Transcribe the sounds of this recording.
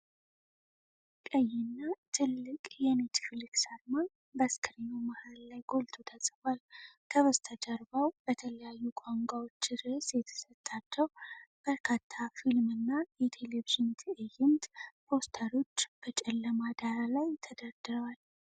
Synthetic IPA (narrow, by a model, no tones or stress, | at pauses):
kʼəjːɪnːat̪ʰɨlːɨkʼjɛnet̪ʰfilɨksaɾman | bəskʰɾijumahallajɡo̞lt̪ʰot̪ʰəsʼɨfalkʰəβəst̪ʰəd͡ʒəɾbəwb̥ət̪ʰələjajːukʷʼaŋɡʷawo̞t͡ʃːɨd̪əsjɛt̪ʰə̥sət̪ʼːat͡ʃːəwb̥əɾkʰat̪ʰːafilmɨnːajɛt̪ʰe̞leviʒɨnt̪ʰʔɨjɪnt̪pʰo̞st̪ʰəɾo̞t͡ʃːb̥ət͡ʃʼɛlːəmad̪aɾalajt̪ʰəd̪əɾd̪ɨɾəwal